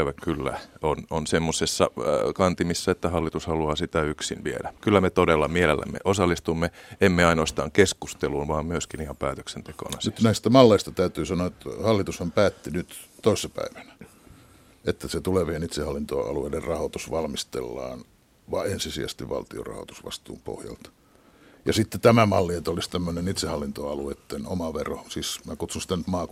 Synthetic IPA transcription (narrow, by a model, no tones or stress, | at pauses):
ʋækkylːæ̰ononsemːosesːɑ̰kɑnt̪imisːæet̪ːæhɑlːit̪ushɑluɑːsit̪æyksḭnʋiḛdækylːæmet̪odelːɑmielelːæ̰mːḛʔosɑlːˑist̪umːeemːeɑinoɑst̪ɑːŋkeskust̪eluːnʋɑːmmyøskiniɑmpæːt̪ø̥ksent̪eko̰ːnɑsnyt̪næist̪æmɑlːeist̪ɑt̪æyt̪yːsɑnoɑet̪ːhɑlːit̪ushɑmpæːt̪ːinyt̪t̪oisːɑpæ̰iʋænæ | et̪ːæset̪uleʋienit̪sehɑlːint̪o̰ɑ̰luḛiderrɑhot̪usʋɑlmist̪ḛlːɑ̰ːn | ʋɑensisiæ̰st̪iʋʋɑ̰lt̪io̰rɑ̰ho̰t̪u̥sʋɑ̰st̪ṵːmpo̰hjɑ̰lt̪ | jɑsit̪ːet̪æmæmɑlːiet̪olist̪æmːønenit̪sehɑlːint̪oɑluet̪ːeno̰mɑʋero̰siːsmækut̪sunsit̪ænyt̪mɑːk